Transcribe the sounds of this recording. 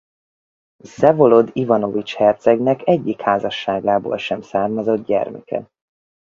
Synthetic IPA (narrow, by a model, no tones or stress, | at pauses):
zɛvo̞lo̞d̪ivɒno̞vit͡ʃhɛrt̪sɛɡnɛkɛɟːikhaːzɒʃːaːɡaːbo̰ːlʃɛmsaːrmɒzo̞d̪̚ɟɛ̰rmɛ̰kɛ̰